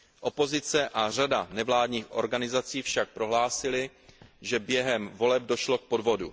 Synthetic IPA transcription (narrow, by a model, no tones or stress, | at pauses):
ʔo̞po̞zɪt͡sɛʔar̝adanɛvlaːdɲiːxʔo̞̰ɾɡanɪzat͡siːfʃak̚pɾo̞ɦlaːsɪlɪ | ʒɛbjɛɦɛmvo̞lɛb̚do̞ʃlo̞k̚po̞dvo̞du